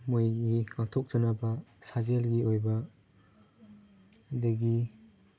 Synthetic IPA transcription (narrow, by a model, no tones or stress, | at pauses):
mojɡiŋak̚tʰok̚z̥ɐnɐbɐsazelɡiojbɐ | dɐɡi